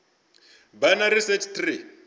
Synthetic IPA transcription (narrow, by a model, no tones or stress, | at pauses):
banaɾisɛt͡ʃt̪ri